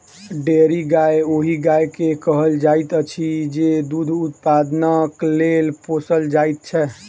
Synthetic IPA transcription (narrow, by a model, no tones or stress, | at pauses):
ɖeɾiɡajoɦiɡajkekəɦəld͡ʒajt̪ət͡ʃʰid͡ʒed̪ud̪ʱut̪pad̪naklelposəld͡ʒajt̪̚t͡ʃʰɛ